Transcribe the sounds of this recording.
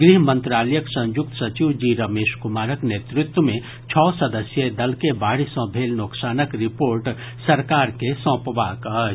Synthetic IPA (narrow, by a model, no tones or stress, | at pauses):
ɡɾiɦmə̃nt̪ɾaːləjəksɐ̃njʊk̚t̪ə̥sɐt͡ʃiʋd͡ʒiɾɐmeːʃkʊmaːɾəkneːt̪ɾɪt̪wəmẽ | t͡ʃʰɔːsɐd̪əsjəd̪ɐlkebaːɽisɔ̃bʱeːlnoksaːnəkɾɪpoːɾʈ | sɐɾkaːɾkesɔ̃ːpəʋakə